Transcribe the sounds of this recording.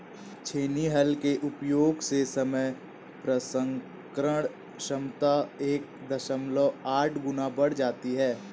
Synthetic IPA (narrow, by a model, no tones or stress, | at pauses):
t͡ʃʰeːniɦɐlkeʔʊpjoːɡsesəməj | pɾəsə̃ŋ | kɾəɽ̃ | ʃəmt̪aeːk̚d̪əʃəmləaːʈʰɡʊnabəɽ̤d͡ʒaːt̪iɦɛː